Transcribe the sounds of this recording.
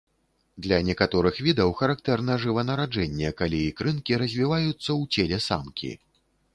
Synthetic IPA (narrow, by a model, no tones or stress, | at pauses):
d̪lʲɐnʲɛkat̪ɔɾɨxvʲid̪ɐwxɐɾak̚t̪ɛrnɐʐɨvɐnɐɾad͡ʐɛnʲːɛkalʲiːkɾɨnkʲiɾɐzʲvʲivajut̪sːɐwt͡sʲelʲɛsa̰mkʲḭ